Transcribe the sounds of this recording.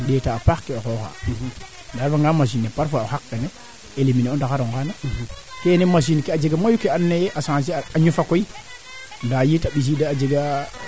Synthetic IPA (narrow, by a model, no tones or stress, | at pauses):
ɗetaːpaxkeokoxa̰ | ndaɾfaŋɡamaʃinːepaɾfohakːene | elimineondakaɾoŋɡanekenemaʃinkead͡ʒeɡamajukeanːejʔasãs̬iaɲufakoi | ndajitaɓis̬idaad͡ʒeɡa